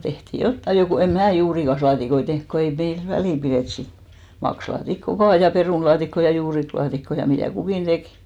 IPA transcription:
tehtiˑ jotːɑi jo ko em mæː juːrikɑslɑːtikoi tehnk ko ei meil ʋæliˑ pireˑt sit mɑkslɑːtikːo ʋɑː peruˑnlɑːtikːo jɑ juːriklɑːtikːo jɑ mitæˑ kukiˑn d̥eki̥

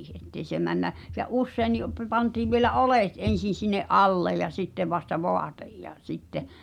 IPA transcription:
ʔetːei se mænːæ se ʔusːeini pə pɑntiːʋ ʋielæ ʔoleˑt en̞sin̞ sinːeʔ ʔɑlːej̆ jɑ sitːeʋ ʋɑstɑ ʋoɑtej jɑ sitːe

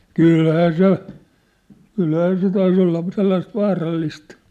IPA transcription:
kyˑlhæː se kylhæː se tɑis olːɑ selːɑist ʋɑːrɑlːist

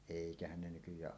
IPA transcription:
eˑikæhæn ne nykyjˑæːʔ

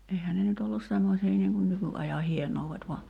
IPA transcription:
ehæ ne nyt olːus semːosiː niːŋ kun nykyʔɑjɑ hienouʋːet ʋɑ

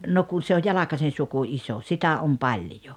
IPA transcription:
no kun̞ se oj jɑlɑkɑsen̞ suku iso sitæ om pɑlʲjo

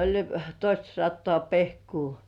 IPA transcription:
olʲ toistɑsɑtːoɑˑ pehkuː

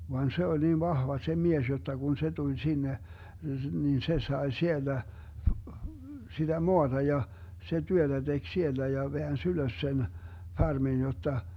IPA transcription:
ʋɑn se olʲ niːn ʋɑhʋɑ se mies jotːɑ ɡ̊un se tulʲ sinːe niːn se sɑe sielːæ sid̥æ moɑd̥ɑ jɑ se tyød̥æ d̥eɡ̊ sielːæ jɑ ʋeæns yløs sen fɑrmin jotːɑ

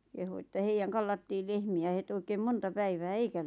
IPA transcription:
kehu etːæ heijæŋ kɑlːɑtːiːl lehmiæ het oikeːm montɑ pæiʋæː eikæ

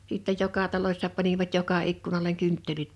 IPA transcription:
siˑtːej jokɑ tɑlosʲsɑ pɑniʋɑt jokɑ ikːunɑleŋ kẙntːelit

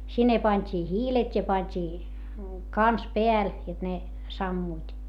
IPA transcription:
sinːe pɑnʲtʲiː hiːletʲ jɑ pɑnʲtʲiː kɑns peæl jot ne sɑmːuit

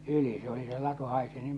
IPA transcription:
yli se oli se lɑtu hɑisi nim

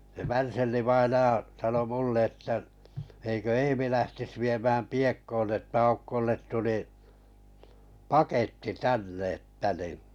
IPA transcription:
se ʋærselːĩʋɑinɑj̆ɑ sɑno mulːe etːæ eikø eːmi læhtis ʋiemæːm piekːoːn etːæ ɑukːolːet tuli pɑketːi tænːe etːæ ni

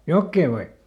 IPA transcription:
jokːeː ʋɑi

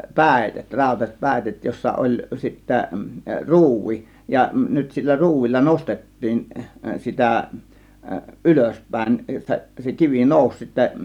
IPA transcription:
pæˑitet rɑˑo̝tɑsʲet pæˑitet josːɑ olʲ sitːæ ruːʋi jɑ nyt silːæ ruːʋilːɑ nostetːiːn sitæ ʔyløspˑæˑe̝n se kiʋi noˑus sitːæ

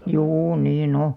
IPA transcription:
juː niːn o

